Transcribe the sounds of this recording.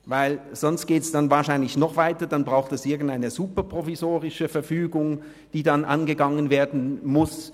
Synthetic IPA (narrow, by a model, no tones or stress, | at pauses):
vaɪl | z̥ɔnst̚ɡ̥eːtɛsd̥anvaːɐʃaɪnlɪçnɔχv̥aɪtɐd̥anbʁaʊxtɛsʔɪɐɡn̩taɪnəzuːpɐpʁ̥ovizoːʁɪʃəfɛɐfyːɡʊŋ | d̥iːdanʔa̰nɡəɡaŋənveːɐdn̩mʊs